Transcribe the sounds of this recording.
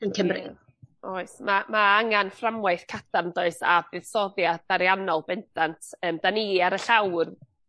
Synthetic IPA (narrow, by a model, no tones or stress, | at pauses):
ənkʰəmrɪ̰ð | ɔɨsmamaaŋanframwaɨθkʰatʰamdoɨsabɨð̥sɔðjadaɾjanɔlˠbɛntʰantʰəːmd̥aniaɾəɬawr